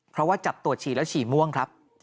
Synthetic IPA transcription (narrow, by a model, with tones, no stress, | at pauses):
pʰɾɔ˦˥waː˥˩t͡ɕa˨˩p̚t̪u˨˩ət̪̚t͡ɕʰiː˨˩lɛː˦˥wt͡ɕʰiː˨˩mu˥˩əŋkʰɾa˦˥p̚